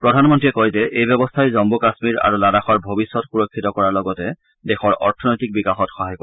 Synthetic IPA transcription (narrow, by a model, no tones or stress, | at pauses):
pɹɔdʱanmɔntɹiɛkojzɛʔejbɛbɔstʰajzɔmbukasmiɹa̰ɹuladaxaɹbʱobisːɔtxuɹokʰːitɔkɔɹaɹlɔɡɔtɛ | dɛxɔɹɔ̰ɹtʰɔnɔjtik̚bikaxɔtxɔɦajkɔ